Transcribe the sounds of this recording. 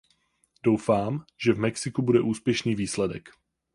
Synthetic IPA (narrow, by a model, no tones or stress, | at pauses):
d̥owfaːmʒ̥ɛvmɛksɪkubudɛʔuːspjɛʃniːviːslɛdɛk